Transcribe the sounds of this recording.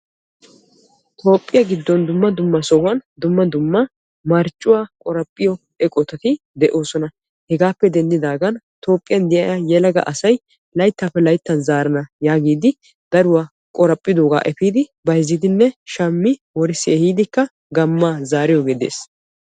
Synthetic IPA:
t̪ʼo̞ːpʼːɪjɐɡɪd̪ːɔnd̪ʊmːɐd̪ʊmːɐsɔhɐnd̪ʊmːɐd̪ʊmːɐ | mɐɾt͡ʃʼːʊwaːkʼɔɾɐpʼːɪjɔ | ɛkʼɔt̪ɐt̪ɪ | d̪ɛʔo̞ːsɔnɐ | hɛɡaːpːɛd̪ɛnd̪ɪd̪aːɡɐn | t̪ʰo̞ːpʼːɪjɐnd̪ɪjɐ̰jajɛlɐɡɐ̰ʔɐsɐj | lɐjt̪ːaːpːɛlɐjt̪ːɐnzaːɾɐnɐjaːɡiːd̪ɪ | d̪ɐɾʊwaː | kʼɔɾɐpʼːɪd̪oːɡa̰ːʔɛfiːd̪ɪbɐjzːɪd̪ɪnːɛʃɐmːɪwɔɾɪsːɪɛhiːd̪ɪkːɐ | ɡɐmːaːzaːɾɪjɔɡed̪ḛːs

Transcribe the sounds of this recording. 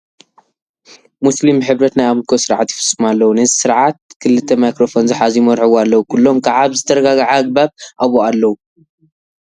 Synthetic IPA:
muslimħɨβɾɐt̪najaβlkʰosɨɾʕat̪ji̥fɨsʼɨmalːɐwunɐzisɨɾʕat̪̚kʰɨlɨt̪ʰːɐmajkɾo̞fo̞nzɨħazijmɐɾħɨwalːɐwukʰulːo̞mkʰaʕaβzɨt̪ʰɐɾɐɡaɡaʕaɡ̚baβʔaβoalːɐwu

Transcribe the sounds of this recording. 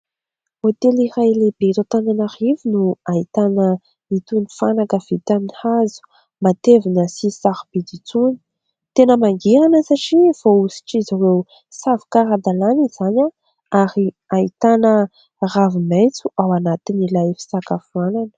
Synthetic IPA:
ot̪elirajlebet̪ot̪ananaɾivinuait̪anə | it̪unifanakəv̥it̪anihazu̥ | mat̪evinəsisahbid̪it͡suni̥ | t̪enəmaŋɡeɾanəsaʈ͡ʂiv̥ousi̥ʈ͡ʂiziɾew | savi̥kaɾad̪alanizaɲa | aɾi | ait̪anə | raviment͡suʔawanat̪inilajfi̥sakafuananə̥

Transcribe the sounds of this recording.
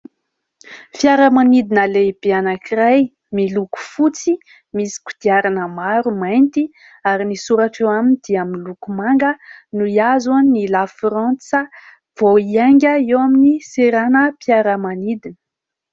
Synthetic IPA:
fjaɾəmanid̪inəleb̥eanakiɾaj | miluku̥fut͡si | misi̥ku̥d̪̥iaɾanəmaɾumajnt̪i | aɾinisuɾaʈ͡ʂewaminid̪̥iaminlukumaŋɡənuiazannilafɾant͡sə | v̥oiaŋɡʲəewaminiseɾanəpjaɾəmanid̪inə̥

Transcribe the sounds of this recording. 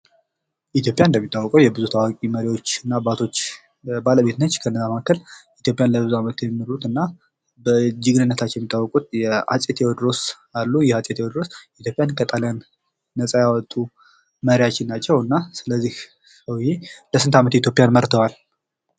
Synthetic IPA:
ʔit̪ʰjo̞pʼjaɨnd̪əmːit̪ʼːawːɔkʼəwjɛbɨzut̪ʰawakʼiməɾiwo̞t͡ʃːɨnːabat̪ʰo̞t͡ʃː | baləbet̪nət͡ʃːkʰənːəzamakʰːəlʔit̪jo̞pʼjanləbɨzuamət̪jɛmmːɨnut̪ɨnːa | bəd͡ʒɨɡnɨnːət̪ʰat͡ʃːɛwjɛmit̪ʼːawːɔkʼut̪jɛa̰sʼet̪ʰjewɔd̪ɾo̞s | alːujɛhat͡sʼet̪jewɔd̪ɾo̞sit̪jo̞pʼjankʰət̪ʼaljanː | əsʼajawɔt̪ʼːu | məɾjat͡ʃːɪnːat͡ʃːɛwɨnːasɨləzːih | səwjeləsɨnt̪ʰamət̪it̪jo̞pʼjanməɾt̪ʰəwal

